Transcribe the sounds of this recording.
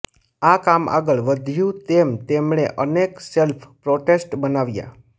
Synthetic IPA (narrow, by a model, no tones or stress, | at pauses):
akama̰ɡəɭʋəd̪ʱjũt̪emt̪emɳeʔənekselfʰpɾoʈesʈbənaʋja̰